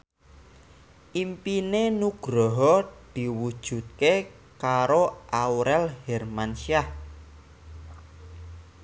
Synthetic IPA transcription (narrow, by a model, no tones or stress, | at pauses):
ʔimpinenuɡ̥ɾɔɦɔd̪̥i̤wud̥ʒ̥ṳt̪̚ke | kaɾoʔauɾɛlhɛrmanʃiah